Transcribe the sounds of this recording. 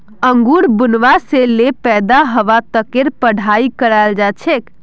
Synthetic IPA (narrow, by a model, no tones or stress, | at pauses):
əŋɡuɾbunʋaselepɛd̪aɦəʋat̪əkeɾpəɽ̤ʱaikəɾald͡ʒat͡ʃʰek